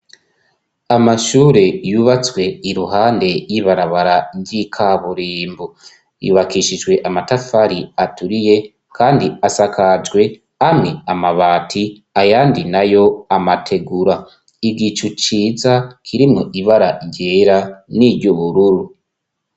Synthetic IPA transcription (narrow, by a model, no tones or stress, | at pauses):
amaʃuːɾe̞juːβat͡swe̞iɾuɦaːnde̞jiβaɾaβaɾaɾɟikʰaβuɾiːmbu | juβakiʃid͡ʒɡwe̞ʔamatafaɾiatuɾije̞ | kʰaːndiasakʰad͡ʒɡwe̞ | amiamaβaːtʰi | ajaːndinajo̞amatʰe̞ɡuɾa | iɡit͡ʃut͡ʃiːzakʰiɾimŋoʔiβaɾaɟeɾaniɾɟuβuɾuɾu